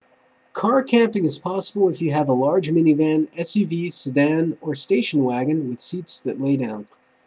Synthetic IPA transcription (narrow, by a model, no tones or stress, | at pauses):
kʰɑɹkʰæ̃mpɪ̃ŋɨz̥pʰɑsəbl̩ˠəfjɨːvəlɑɹd͡ʒmɪ̃nivæ̃nɛsivisɨdæ̃nə˞steɪʃn̩wæɡɨ̃nwɨð̥sitsðɨtˡleɪdãʊ̃n